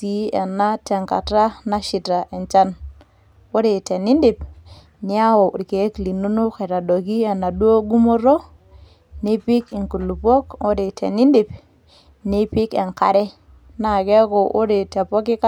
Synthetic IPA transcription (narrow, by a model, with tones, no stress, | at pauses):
si˦ɛ˨na˦tɛ˨ŋka̰˨ta˦na˦ʃi˨ta˨ʔɛ˨ɲt͡ʃa˦n | o˦ɾe˨tɛ˨nɪ˦ndɪ˨p | nɪ˦a˦wo˨ʔke˨˦kli˨nu˦nʊ˦ke˨ɾa˨do˨ki˦ɛ˨na˨du˦o˦ɡu˦mo˦ɾo˦ | ne˦pɪ˦kɪ˨ŋku˨lu˨pɔ˦ko˦ɾe˨tʰḛ˨nɪ˦ndɪ˨p | ni˦pɪ˦kɛ˨ŋka̰˨ɾɛ˦ | na˨kɛ˦ko˨ʔʊ˦ɾe˨tɛ˨pɔ˦k̬ɪ˦ka˦